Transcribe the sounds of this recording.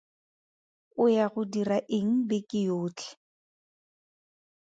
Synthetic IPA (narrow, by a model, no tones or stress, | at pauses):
ʊjaɣʊdiraʔɪŋ̩bɪkʼɪjoːt͡ɬʰʼɛ̥